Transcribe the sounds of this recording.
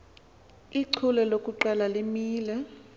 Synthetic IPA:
iǀʰulɛlokʼuǃalalimiːlɛ

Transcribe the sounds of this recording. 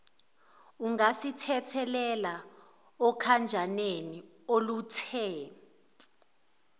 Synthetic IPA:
uŋasitʰɛtʰɛlɛla | ɔkʰand͡ʒʱaneni | olutʰɛː

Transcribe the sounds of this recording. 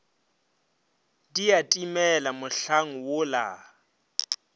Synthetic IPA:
diatʼimɛlamʊɬaŋ̩wʊla̰

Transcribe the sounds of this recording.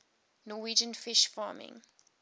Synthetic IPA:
nɔːwiːd͡ʒə̃nfɪʃfɑːmɪ̰̃ŋ

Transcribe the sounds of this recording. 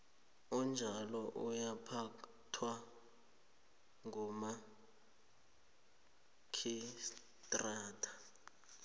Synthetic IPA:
ɔnd͡ʒʱalɔʔujapʰa | tʰwa | ŋuma | kʰis | tʼraːtʰḁ

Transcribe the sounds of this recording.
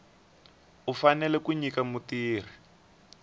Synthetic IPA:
ufanɛlɛkuɲikamutiːr̤i

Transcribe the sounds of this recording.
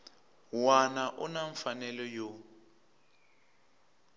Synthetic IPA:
wanaʔunaɱfanɛlɔjo

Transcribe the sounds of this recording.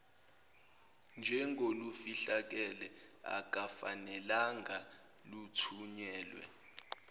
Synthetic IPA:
nd͡ʒʱɛŋʱolufiɬak̬ɛlɛa̰k̬ʼafanɛlaŋɡʱa | lutʰuɲɛːlwɛ̰

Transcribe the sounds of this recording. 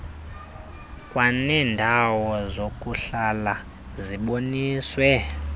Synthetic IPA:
kʼwanɛːndʱawɔzokʼuɬala | ziɓoniːswɛ

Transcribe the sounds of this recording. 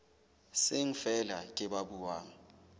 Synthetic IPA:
seŋ̩fɛlakʼɪɓabuwaːŋ̩

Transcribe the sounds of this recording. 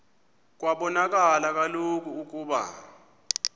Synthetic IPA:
k̬ʼwaɓɔnak̬ʼalak̬alok̬ʼuːk̬ʼuːɓa̰

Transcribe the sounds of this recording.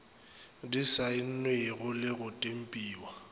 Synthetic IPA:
disaɪn̩nwɪɣʊlɪɣʊtʼem̩pʼiːwa

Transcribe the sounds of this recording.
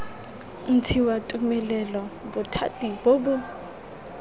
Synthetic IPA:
n̩tʰiwatʼumɛlɛlɔbʊtʰa̰tʼibobʊ

